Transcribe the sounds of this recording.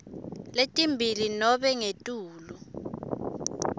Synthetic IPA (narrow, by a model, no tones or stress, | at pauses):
letʼimbʱilinɔɓɛŋetʼuːlu